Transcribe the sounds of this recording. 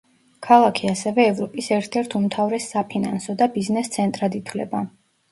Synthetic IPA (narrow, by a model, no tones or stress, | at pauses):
kʰalˠakʰiasɛvɛːvɾɔpʼisɛɾt̪ʰɛɾt̪ʰumt̪ʰavɾɛsapʰinansɔd̪abiznɛst̪sʰɛnt̪ʼɾad̪it̪ʰwlɛ̰ba